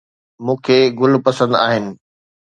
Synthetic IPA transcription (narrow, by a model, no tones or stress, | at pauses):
mũːkʰeːɡʊlpɐsə̃nd̪a̰ːɦɪnɪ̆